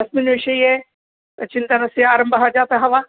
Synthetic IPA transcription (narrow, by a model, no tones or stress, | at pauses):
ɐsminʋɪʃɐiɦɛ | t̪ɐt͡ʃɪnt̪ɐnɐsiaːɾə̃mbɐɦad͡ʒaːt̪aɦɐʋaː